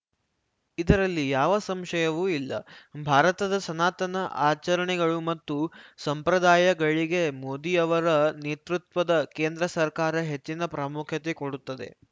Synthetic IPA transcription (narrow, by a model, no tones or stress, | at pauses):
id̪ɐɾɐlːijaːʋɐsɐmʃɐjɐʋuːilːɐ̰bʱaːɾɐt̪ɐd̪ɐsɐnaːt̪ɐnɐʔaːt͡ʃɐɾɐɳɛɡɐɭumɐt̪ːusɐmpɾɐd̪aːjɐɡɐɭiɡe̞moːd̪iɐʋɐɾɐneːt̪ɾut̪ʋɐd̪ɐkeːnd̪ɾɐsɐɾkaːɾɐɦe̞t͡ʃːinɐpɾɐmukʰjɐt̪ekoɽut̪ːɐd̪e̞̰